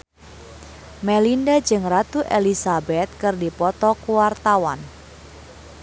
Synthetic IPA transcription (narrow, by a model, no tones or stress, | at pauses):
mɛlindad͡ʒɨŋrat̪uʔelisabɛt̪̚kɨrdipɔt̪ɔkuwart̪awan